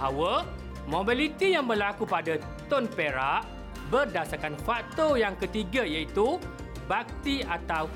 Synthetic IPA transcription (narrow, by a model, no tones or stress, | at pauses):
ɦawə | mõbilit̪ijaŋbərlakupada | t̪ɔnpeɾaʔ | bərdasarkanfak̚t̪ojaŋkət̪iɡajait̪u | bak̚t̪iat̪aw